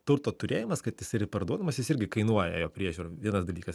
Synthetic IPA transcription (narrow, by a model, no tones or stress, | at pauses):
t̪ʊɾt̪oːt̪ʊɾʲeːjɪmɐskɐt̪jɪsɪrʲɡʲɪpɐɾd̪uɔd̪ɐmɐsjɪsɪɾʲɡʲɪkɐɪnuɔjɛ̰joːpʲɾʲiɛʒʲuːɾɐʋʲiɛnɐsd̪ɐlʲiːkɐs